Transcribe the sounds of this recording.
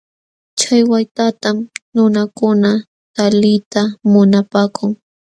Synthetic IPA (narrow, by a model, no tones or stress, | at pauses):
t͡ʃajwajt̪at̪amnʊnakʊna | t̪alɪjt̪amʊnapaːkʰʊŋ